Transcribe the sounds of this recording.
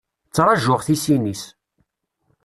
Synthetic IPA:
t͡sːɾˤɑʒʊʁθisinis

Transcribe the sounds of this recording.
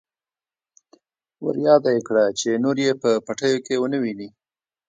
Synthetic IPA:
wa̰ɾjɑd̪ajekɽat͡ʃenoɾjepəpaʈəjokewənəwini

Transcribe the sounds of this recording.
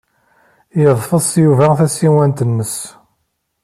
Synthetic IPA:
jəðˤfəðˤsˤjuvæθæsiwænt̪ənːəs

